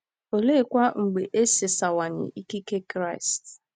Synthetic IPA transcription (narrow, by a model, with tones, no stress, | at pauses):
o˨le˦kʷa˦ŋ͡m̩˨ɡ͡be˨ʔe˦se˨sa˨wa˨ɲɪ̰˨ʔi˦ki˦ke˦kɾa˦ɪ˨st